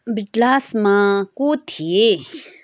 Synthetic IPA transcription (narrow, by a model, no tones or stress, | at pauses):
bɪʈlaːsmãkot̪ʰie